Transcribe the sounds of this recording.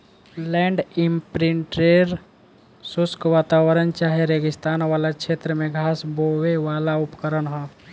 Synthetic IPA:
lɛ̃ːɳɖɪmpɾɪɳʈɾeɾ | sʊskʋaːt̪aːwəɾənt͡ʃaːɦeɾeːɡɪst̪aːnʋaːlakʃʰeːt̪ɾəmẽɡʱaːsboweʋaːlaʊpkəɾənɦõ

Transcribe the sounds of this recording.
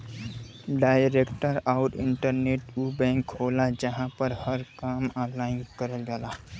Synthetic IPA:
ɖaɪɾekʈəɾaʊɾɪ̰ɳʈəɾneʈubɛ̃ŋkɦolad͡ʒəɦãpəɾhəɾkamalaɪnkəɾəld͡ʒala

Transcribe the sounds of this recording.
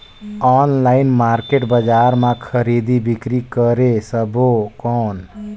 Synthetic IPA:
ɔnlainmaɾkeʈbəd͡ʒaɾmãkʰəɾid̪ibikɾikəɾesəbokɔːn

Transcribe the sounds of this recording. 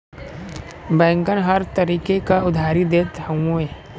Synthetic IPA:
bɛ̃ːŋkənɦɐɾt̪ɐɾiːkekaʊd̪ʱaːɾid̪eːt̪hɐwõeː

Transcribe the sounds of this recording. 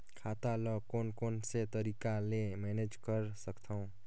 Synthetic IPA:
kʰat̪alʌkonkonset̪ʌɾikalemened͡zkʌɾsʌkt̪ʰʌw̃

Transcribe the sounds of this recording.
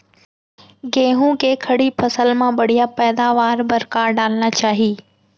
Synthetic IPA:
ɡẽːɦũkekʰɐɽipʰɐsəlmãɓɐɽijapɛːd̪aːʋaːɾbɐɾkaːɾɖaːlnat͡ɕaːɦiː

